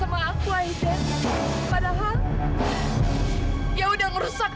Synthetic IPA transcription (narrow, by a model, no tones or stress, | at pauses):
əmaːŋtulaidɛnpadaɦal | jaudaŋəɾusak̚